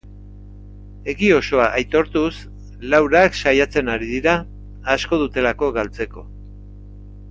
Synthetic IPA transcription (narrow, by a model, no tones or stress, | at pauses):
e̞ɣio̞so̞aʔajt̪o̞ɾt̪us | lawɾaksajat͡se̞naɾiðiɾaː | sko̞ð̞ut̪e̞lako̞ɣalt͡se̞ko̞̰